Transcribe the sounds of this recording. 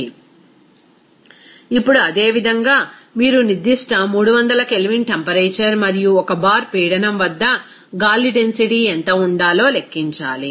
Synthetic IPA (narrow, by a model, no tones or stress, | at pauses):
ipːuɽuɐd̪e̞ːʋid̪ʱɐŋɡaːmiːɾunid̪iʂʈɐmuːɽuʋɐnd̪ɐlɐke̞liʋinʈempɐɾeːt͡ʃɐɾmɐɾijuɔkɐbaːɾpiːɽɐnɐmʋɐd̪ːɐ | ɡaːlːiʈensiʈiːɛnt̪ɐuɳɖaːlo̞ːle̞kːiɲt͡ʃaːli